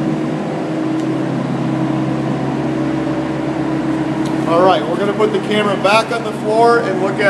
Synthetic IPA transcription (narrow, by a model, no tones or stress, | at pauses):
ɔlˠɹaɪt̚wɪɹɡʌnəpʊt̪̚ðɨkʰæmə˞əbækn̩ðəflɔɹɨ̃nlʊkɨ